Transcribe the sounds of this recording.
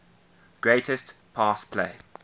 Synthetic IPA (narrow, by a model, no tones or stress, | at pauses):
ɡ̥ɹeɪtɪstpʰɑːˑspʰlḛɪ